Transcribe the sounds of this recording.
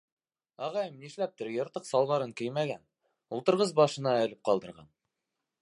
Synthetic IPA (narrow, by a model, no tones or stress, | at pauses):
ɑʁɑjɤmniʃlæp̚t̪ɘɾjɤ̆ɾt̪ɤqsɑlˠβɑɾɤŋkɘjmæɡæn | ulˠt̪ɤ̆ɾʁɤzbɑʃɤ̆nɑɘ̆lɘp̚qɑlˠd̪ɤ̆ɾʁɑ̰n